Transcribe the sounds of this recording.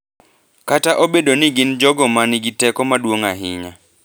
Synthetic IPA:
kataʔobedonɪɡɪnd͡ʒɔɡɔmaniɡitɛkɔmadwoŋaɦɪɲa

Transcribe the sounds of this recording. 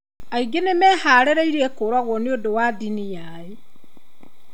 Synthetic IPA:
aiɡenemɛhaːɾeɾaiɾiɛkoɾwaɣɔneodowadinija | e

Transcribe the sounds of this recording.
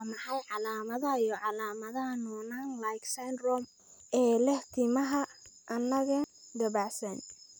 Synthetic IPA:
wmɐħɑjʕɑlaːmɐðɐjɔʕɑlaːmɐðɐɦɐnɔːnaːnlajksanrɔm | ʔɛːlɛht̪ʰɪmɐɦɐʔɐnːɐɣɐd̪ɐβaʕsɐn

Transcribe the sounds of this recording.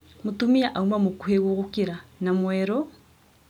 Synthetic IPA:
mutumiaʔaumamukuheɣoɣukiɾanamwɛɾɔ

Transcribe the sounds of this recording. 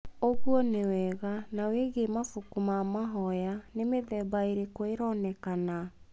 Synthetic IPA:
oɣwɔnewɛɣanaweɣemafukumamaɦɔjanemeðɛbaeɾekoeɾɔnɛkana

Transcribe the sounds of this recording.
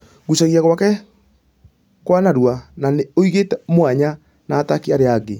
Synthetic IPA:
ɣusaɣiaɣwakɛ | kwanaɾwananeoiɣetɛmwaɲa | naːtakiaɾeaɡe

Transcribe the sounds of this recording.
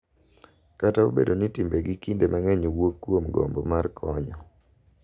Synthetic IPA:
katao̰bḛdonitimbeɡɪkindemaŋɛɲowokːwomɡo̰mbɔmarkʰɔɲɔ

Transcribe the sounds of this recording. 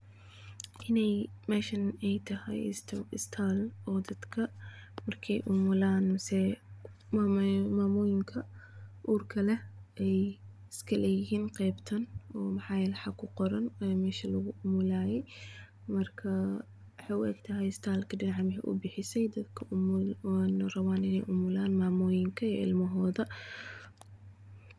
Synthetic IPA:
ʔɪnajmaʃɪnʔɛjt̪aha̰j̰st̪aɪst̪ʰaːlʔɔd̪ɐd̪kʰɐmɐɾkʰejʔʊmʊlaːnsɛ | mamamujɪŋkʰɐʔuːɾkʰɐlɐʔɛj | skɐlʔejhinqɛːbt̪ʰɐnɔːmɐħaːjɛːlɛħɑkʰʊqɔɾɐnɛmɛːʃɐlɐɣʊʔʊmʊlaːjɛj | mɐrkʰɐ | ħɑjʊʔɛ̰ɡt̪ʰɐɦɛjst̪ʰaːlkʰɐɖɪnʕɑmɪɦɛ̰ʔʊ̰bɪħɪsɛjd̪ɐd̪kʰɐʔmnrɐβaːnɪnɛjʔʊmʊlaːnmaːmɔːjɪŋkʰɐiɪ̰lmɐɦɔːðɐ

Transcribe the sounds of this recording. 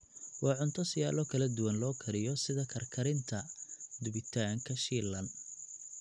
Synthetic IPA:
wɑːʕʊnt̪ʰɔsɪjaːlɔkʰɐlɐd̪ʊwɐnlɔːkʰɐɾɪjɔsɪðɐkʰɐrkʰɐɾɪnt̪ʰɐd̪ʊβɪt̪ʰaːŋkʰɐʃiːlːɐn

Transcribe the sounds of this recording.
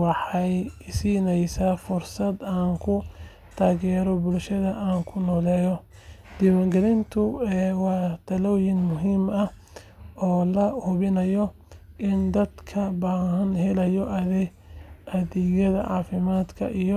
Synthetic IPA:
wɑħɑjsiːnɛjsaːfʊrsɐd̪aːŋkʰʊ | t̪ʰaːɣɛːɾɔbʊlʃɐðɐʔaːŋkʰʊnɔːlɛːjɔ | d̪ɪwɐŋɡɛlɪnt̪ʰʊɛːwɑːt̪ʰɐlɔwjɪŋmʊɦiːmɐh | ɔːlɐhʊβɪnɐjɔ | ʔɪnd̪ɐd̪kʰɐbaːɦɐnɦɛlɐjɔʔ | ɐðɪjɐðɐ̰ʕɑːfɪmaːd̪kʰɐ̰ʔijɔ

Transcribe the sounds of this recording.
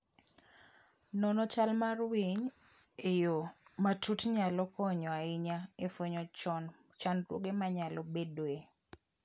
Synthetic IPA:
nɔnɔt͡ʃalmarwiɲ | ejomatʰutɲalɔkɔɲɔaɪɲaefwoɲɔt͡ʃɔn | t͡ʃanɾwo̰ɡemaɲalɔbedoe

